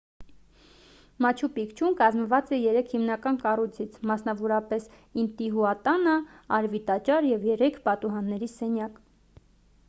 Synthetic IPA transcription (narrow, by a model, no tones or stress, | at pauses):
mɑt͡ʃʰupikt͡ʃʰumkɑzməvɑt͡sɛjɛɾɛkʰhimnɑkɑnkɑrujt͡sʰit͡sʰmɑsnɑvɔɾɑpɛs | int̪iɦuɑt̪ɑnəɑɾvit̪ɑt͡ʃɑɾjɛvjɛɾɛkʰpɑt̪uɦɑnːɛɾisɛnjɑk